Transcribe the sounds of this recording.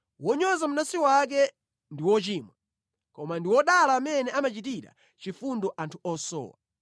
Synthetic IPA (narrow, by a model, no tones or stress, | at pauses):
wɔɲɔzamunasiwak̬ɛ | ndiwɔt͡ʃiːmwa | kɔmandiwɔɗalaːmɛnɛamat͡ʃitiɾa̰ | t͡ʃifundɔʔantʰuɔsɔ̰ːwa̰